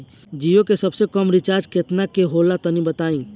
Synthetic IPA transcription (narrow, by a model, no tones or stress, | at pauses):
d͡ʒijõkesəbsekəmɾɪt͡ʃaːɾd͡ʒket̪nakeɦoːlat̪ənibət̪aːĩː